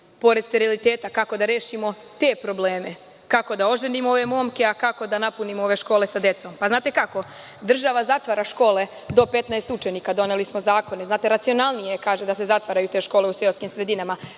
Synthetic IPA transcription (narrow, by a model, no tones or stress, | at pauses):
po̞ɾed̪st̪eɾelit̪eːt̪akako̞d̪aɾeːʃimo̞ | t̪e̞ːpɾo̞bleːme̞ | kako̞d̪ao̞ʒenimooʋe̞mo̞ːmke̞akako̞d̪anapunimoo̞ʋe̞ʃkoːlesad̪e̞t̪so̞mpaznaːt̪e̞kako̞ | d̪r̩ʒaʋazat̪ʋaːɾaʃko̞ːle̞ | d̪o̞pe̞t̪naest̪ut͡ʃe̞niːkad̪o̞ne̞lismo̞zaːko̞neznaːt̪e̞ɾat̪sijo̞nalˠnije̞kaːʒe̞d̪ase̞zat̪ʋaɾajut̪e̞ːʃko̞ːle̞useoskimsɾe̞d̪inama